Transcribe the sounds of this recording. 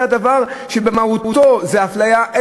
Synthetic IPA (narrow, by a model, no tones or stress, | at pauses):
adavaʁʃebemauuto̞zeaflajaʔe